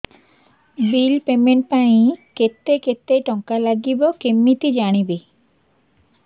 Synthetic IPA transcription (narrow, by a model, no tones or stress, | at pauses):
bilpemeɳʈ̚paĩket̪ːeket̪ːejʈɔŋkalaɡibokemːit̪id͡ʑaɽ̃ibe